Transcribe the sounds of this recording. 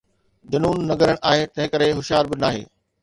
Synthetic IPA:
d͡ʑɐnuːnːɐɡəɾəɽ̃ʔaːɦet̪ɐ̃ɦɪ̃kəɾeɦʊʃɪjaːɾbɪnaːɦḛː

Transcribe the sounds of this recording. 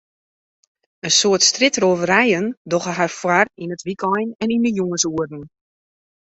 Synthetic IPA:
ənsoərtstrɪtroːvəɾɛjəndɔχəɦarfwarinətʋikʰɔjnɛninəjuŋəsuərdn̩

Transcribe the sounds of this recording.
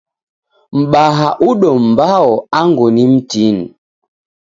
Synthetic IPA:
m̩ɓaɦaʔuɗɔm̩baɔaŋɡonim̩tin

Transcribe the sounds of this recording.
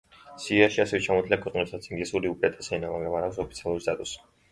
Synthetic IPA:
siaʃiasɛvɛt͡ʃʰamɔt̪ʰliakʰwɛqʼnɛpsat̪siŋɡlɛsuɾiupʼɾat̪ʼḁsɛnamaɡɾamaɾaks̬ɔpʰit̪sʰialˠuɾist̪ʰʼat̪ʼus

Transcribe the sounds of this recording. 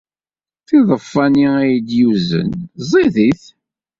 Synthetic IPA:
θiðˤəfːæniæjəd̪juzə̰nzˤiðiθ

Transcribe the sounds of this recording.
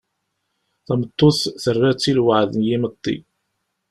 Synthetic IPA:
θæmət̪ˤːʊθθərːæt͡sːilwəʕðənjimət̪ˤːḭ

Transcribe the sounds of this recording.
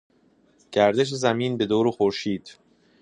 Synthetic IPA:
ɟ̥æɾd̪eʃ̬ezæmiːnbe̞d̪oːɾoxoɾʃiːd̪̥

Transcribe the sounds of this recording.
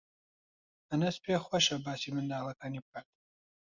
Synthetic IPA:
ɐnɐspʰexwɐʃɐbaːsimɨnd̪aːlˠɐkʰaːniːbɨkʰaːt̪̚

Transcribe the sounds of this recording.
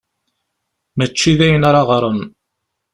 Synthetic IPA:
mæt͡ʃːiðæjənaɾɑʁɾˤən

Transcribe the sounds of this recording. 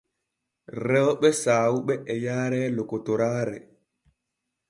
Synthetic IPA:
ɾɛwɓɛsaːwuɓɛːjaːɾɛːlɔkɔtɔɾaːɾɛ̰

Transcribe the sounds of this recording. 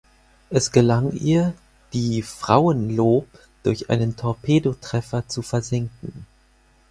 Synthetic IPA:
ʔɛsɡ̥əlaŋʔiːɐ | d̥iːfʁ̥a̰ʊənloːp | d̥ʊɐçʔa̰ɪnəntʰɔɐpʰeːdotʁ̥ɛfɐt͡sufɛɐzɪŋkŋ̩

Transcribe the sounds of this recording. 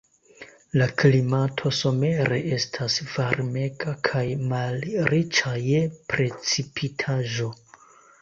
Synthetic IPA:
laklimatʰo̞so̞me̞ɾe̞ʔe̞stʰasv̥aɾme̞ɡakʰajmalɾit͡ʃajepɾe̞t͡sipʰitʰaʒo̞

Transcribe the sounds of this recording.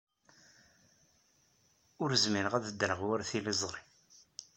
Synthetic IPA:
ʊɾzmiɾəʁæðəd̪ɾəʁwæɾθilizˤɾˤi

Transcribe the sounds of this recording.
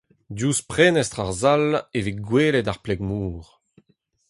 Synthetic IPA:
djuːspχeːnɛst̪χaʁzaleviɡweːlɛtaʁplɛɡmuːʁ

